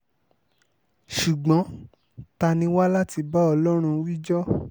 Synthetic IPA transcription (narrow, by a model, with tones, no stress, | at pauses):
ʃu˨ɡ͡bɔ̃˨˦ | ta˧nĩ˧wa˦la˦ti˧ba˦ɔ˧lɔ˦ɾ̃ũ˧˦wi˦d͡ʒɔ˦